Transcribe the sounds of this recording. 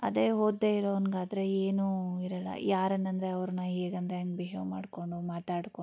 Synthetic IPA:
ɐd̪eːɦoːd̪ːeiɾoʋɐnɡaːd̪ɐɾe̞eːnuːiɾɐlːɐ̰jaːɾɐnːɐnd̪ɾeɐʋɾɐnːɐɦeːɡɐnd̪ɾeɐŋɡbeɦema̰ːɽko̞ɳɖumaːt̪aːɽko

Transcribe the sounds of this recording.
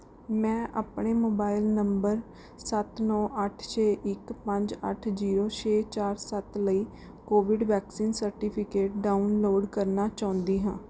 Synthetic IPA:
mɛ̃ːʔaːpɳeːmoːbaːɪlnəmbəɾ | sət̪nɔːʔəʈʰt͡ʃʰeːʔɪkpəɲd͡ʒə̰ʈʰziːɾoːt͡ʃʰeːt͡ʃaːɾsət̪ləiː | koːʋɪɖʋɛːksiːnsəɾʈiːpʰɪkeːʈ̚ɖaːʊnloːɖkəɾnaːt͡ʃaːʊ̃nd̪iːɦãː

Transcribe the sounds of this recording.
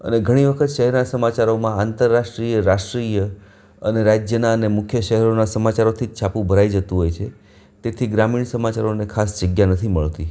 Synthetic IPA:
ə̰neɡʱəɽ̃iʋəkʰət̪ʃəɦɛɾnasəmat͡ʃaɾomãant̪əɾːaʃʈɾijəɾaʃʈɾijə | əneɾad͡ʒjənaənemʊkʰjəʃəɦɛɾonasəmat͡ʃaɾot̪ʰit͡ʃʰapũbʱəɾaid͡ʒət̪ũɦojt͡ʃʰe | t̪et̪ʰiɡɾamiɳsəmat͡ʃaɾonekʰasd͡ʒəɡjanət̪ʰiməɭt̪i

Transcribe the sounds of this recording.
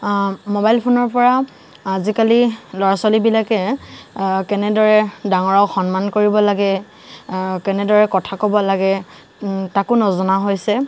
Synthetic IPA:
mobajlpʰonɔɹpɔɹa | azikalilɔɹasalibilakɛ | kɛnɛdɔɹɛdaŋɔɹɔkxɔnmankoɹibɔlaɡɛ | kɛnɛdɔɹɛkɔtʰakɔbɔlaɡɛ | takʊnɔzɔnaɦojsɛ

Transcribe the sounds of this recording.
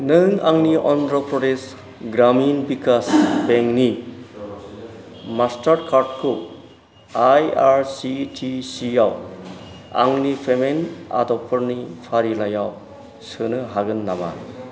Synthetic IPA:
nɯŋaŋniʔɔndɾɔpɾɔdes | ɡɾaminbikʰasbeŋni | mastaɾkʰaɾd̚kʰu | ajaɾsitʰisijaw | a̰ŋnipʰemena̰dɔpʰːɯɾnipʰaɾilajaw | sɯnɯɦaɡɯnːama̰

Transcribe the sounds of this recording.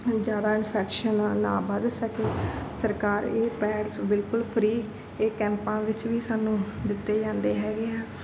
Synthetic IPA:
d͡ʒjaːd̪aːɪnpʰɛːkʃənːnaːbəd̪səkeːsəɾkaːɾeːpɛːɖsbɪlkʊlpʰɾiː | eːkɛ̃ːmpãːʋɪt͡ʃʋiːsaːnũːd̪ɪt̪ːeːd͡ʒãːnd̪eːɦɛːɡeːɛː

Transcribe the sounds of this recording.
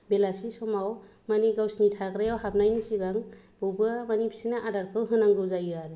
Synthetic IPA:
belasisɔmaw | maniɡawsnitʰaɡɾejawhap̚najnisiɡaŋ | b̥ɯbɯmanipʰi̥sinaʔadaɾkʰɯwɦɯnaŋɡɯwzajuaɾe

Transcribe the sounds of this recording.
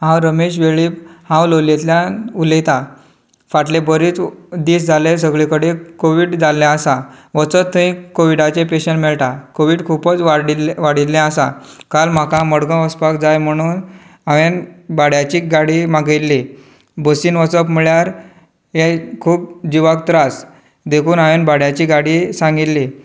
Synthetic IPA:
ɦãwɾəmeɕ̬ʋeɭiːphãwlolet̪ljaulet̪a | faʈlebəɾiːt͡sd̪iːsd͡zʱalesəɡɭikəɽekoʋiːɽd͡zalːjãəsaʋət͡sət̪ːəɦĩkoʋiɖat͡ɕẽpeɕəɳʈmɛɭʈ̪akoʋiːɖkʰupət͡sʋaɽiʋaɽit̪lːɛ̃asa̰kalm̤akaməɽɡə̃ʋəspakd͡zajm̤əɽ̃uːn | aʋenbaɽjat͡ɕiːɡaɽimaɡilːi | bəsiːnʋət͡səpmiɭjaɾ | ɦekʰuːp̚d͡ʑiʋak̚t̪ɾas | d̪ekʰuːnaʋenbaɽjat͡ɕiːɡaɽisãŋɡit̪lːi

